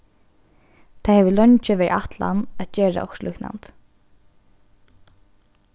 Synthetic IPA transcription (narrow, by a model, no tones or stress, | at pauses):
t̪ʰajhɛʋəlɔɲt͡ʃɪʋɛʔaht̪la̰nat̪t͡ʃeːɹa̰ʔɔkslʔṵːkna̰nt̪